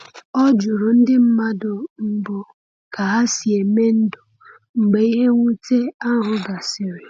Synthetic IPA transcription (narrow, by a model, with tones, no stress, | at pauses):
ɔ˦d͡ʒʊ˨ɾʊ˨n̩˦dɪ˦m̩˦ma˦dʊ˨m̩˨bʊ˨ | ka˨ɦa˦si˨e˨me˦n̩˦dʊ˨ | ŋ͡m̩˨ɡ͡be˨i˦ɦe˦ŋʷu˦te˦a˦ɦʊ˨ɡa˨sɪ˨ɾɪ˨